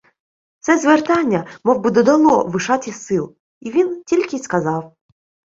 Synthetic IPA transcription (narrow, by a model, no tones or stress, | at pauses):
t̪sɛzʋert̪ɑnʲːɐmɔwbɪd̪ɔd̪ɐlˠɔʋɪʃɑt̪ʲɪsɪlˠ | iʋʲintʲilʲkʲɪskɐzɑw